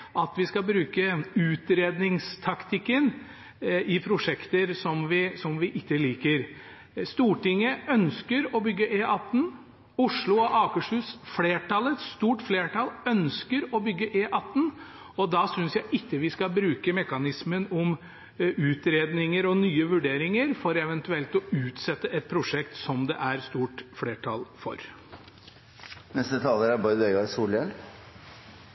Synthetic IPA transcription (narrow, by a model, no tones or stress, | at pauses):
ʔɑt̪ʋɪskɑbɾʉːkəʉːt̪ɾeːd̪nɪŋst̪ʰɑkt̪ʰɪkːən | ɪpʰɾʊʂɛkt̪əɾsɔmʋɪsɔmʋɪʔɪt̪ːəliːkəɾ | st̪uːʈɪŋːəœnskəɾɔbʏɡːəʔeːʔɑt̪ːn̩ | ʊʂɭʊɔʔɑːkəʂhʉːsfleːʈɑlɛt̪st̪uːʈfleːʈɑlœnskəɾɔbʏɡːəʔeːʔɑt̪ːn̩ | ɔd̪ɑsʏnsjæɪʔɪkːəʋɪskɑbɾʉːkəmɛkɑnɪsmənɔm | ʉːt̪ɾeːd̪nɪŋəɾɔnyːəʋʉɖeːɾɪŋəɾfɔɾɛʋɛnt̪ʉɛlt̪ɔʉːt̪sɛt̪ːəʔɛt̪̚pʰɾʊʂɛkt̪sɔmd̪ɛʔæɾst̪uːʈfleːʈʰɑ̰lfɔ̰ɾ | nɛst̪ət̪ʰɑːləɾæɾbɔʏd̪eʏɡɑɾsuːljɛl